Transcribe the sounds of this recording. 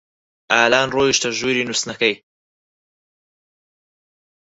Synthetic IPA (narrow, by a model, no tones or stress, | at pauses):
aːlaːnroːjiʃt̪ɐʒuːɾinusnɐkɐj